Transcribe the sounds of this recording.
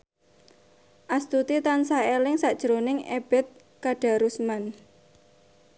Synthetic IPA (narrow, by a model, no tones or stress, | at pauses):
ʔast̪ut̪it̪ansaelɪŋsaʔd̥ʒ̥əɾonɪŋḛb̥ɛt̪̚ | kaɖ̥a̤ɾusman